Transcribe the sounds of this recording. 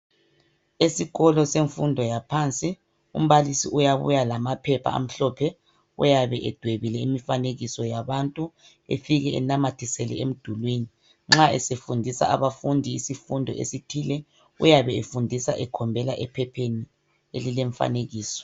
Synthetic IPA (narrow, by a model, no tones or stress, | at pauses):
esiɣɔlɔseɱfundʱɔjapʰant͡sʼi | ṵm̩βalisiʔujaβṵjalamapʰɛpʰa̰a̰m̩ɬɔpʰɛ | ṵjaβɛʔɛd̥ʱweβilɛimifaneɣisɔjaβantʼu | ḛfiɣɛɛ̰namatʰisɛlɛ̰em̩d̥ʱulwini | ŋ͡ǁaɛ̰sefundʱisa̰ʔaβafundʱiisifundʱɔʔḛsitʰilɛ | ṵjaβɛefundʱisa̰ʔɛkʰɔmbʱɛlaʔɛpʰɛpʰeni | elileɱfa̰neɣiːsɔ̥